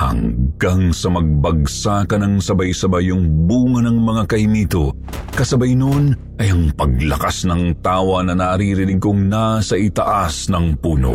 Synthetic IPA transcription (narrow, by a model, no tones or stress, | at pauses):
hɐ̰ŋɡaŋsɐmɐɡ̚bɐɡ̚sakɐnɐŋsɐbɐjsɐbajʊŋbuːŋɐnɐŋmɐŋakɐhimiːt̪o | kɐsɐbɐjnon | ʔɐjɐŋpɐɡ̚lɐkasnɐŋt̪aːwɐnɐnaʔɾiɾɪlɪɡkoŋnasɐʔɪt̪ɐʔasnɐŋpuːno̰